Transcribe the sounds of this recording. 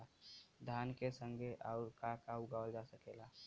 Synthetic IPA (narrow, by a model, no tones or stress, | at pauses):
ad̪ʱaːnkesə̃ŋɡʱeʔaʊɾkakaʊɡawəld͡ʒasəkela